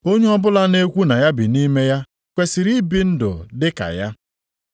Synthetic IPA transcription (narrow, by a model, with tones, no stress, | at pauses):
o˦ɲe˦ɔ˦bʊ˦la˦ne˦kʷu˦na˨ja˦bi˨ni˦me˦ja˦ | kʷe˨si˨ɾi˦bi˨n̩˦dʊ̰˨dɪ˦ka̰˨ja˦